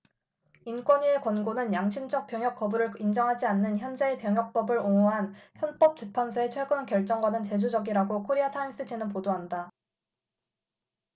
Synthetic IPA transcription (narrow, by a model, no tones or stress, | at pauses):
ink͈wʌɲie̞kwʌnɡonɯnjaŋɕʰimd͡ʑʌk̚p͈jʌŋjʌk͈ʌbuɾɯɭind͡ʑʌŋɦad͡ʑianːɯnçjʌnd͡ʑeːpjʌŋɦjʌk̚p͈ʌbɯɾoŋoɦançjʌnp͈ʌp̚t͡ɕ͈epʰansʰoe̞t͡ɕʰweɡɯnkjʌɭt͡ɕ͈ʌŋɡwanɯnt͡ɕe̞d͡ʑud͡ʑʌɡiɾaɡokʰoɾeatʰaims͈ɯt͡ɕʰenɯnpodoɦanda